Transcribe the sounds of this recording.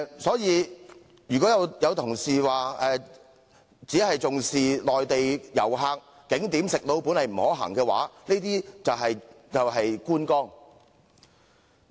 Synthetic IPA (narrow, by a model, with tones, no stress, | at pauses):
sɔː˨˥jiː˨˧ | jyː˨˩kɔ˨˥jɐ˨˧wjɐ˨˧wt̪ʰʊ˨˩ŋsiː˨waː˨ɛː˨ | t͡siː˨˥hɐ˨jt͡sʊ˨ŋsiː˨lɔː˨jt̪e˨jjɐ̰˨˩wɦaː˧k̚ːɪ˨˥ŋt̪iː˨˥msɪ˨k̚lo˨˧wpu˨˥nɐ˨jm̩˨˩hɔː˨˥ɦa̰ː˨˩ŋkɛː˧wa̰ː˨˥neː˥t̪iː˥t͡sɐ˨wɦɐ˨j | jɐ˨wɦɐ˨jkuː˥nkɔː˥ŋ